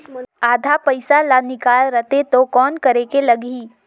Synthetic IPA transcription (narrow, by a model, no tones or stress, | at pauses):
aːd̪ʱapɐɪsalanɪkaːlɾət̪et̪okɔːnkɐɾekelɐɡiː